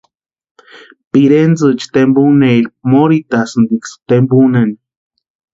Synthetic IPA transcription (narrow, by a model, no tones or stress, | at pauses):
piɾend͡zɨt͡ʃi̥t̪embuneilp̚moɾit̪asɨnd̪ikst̪embunen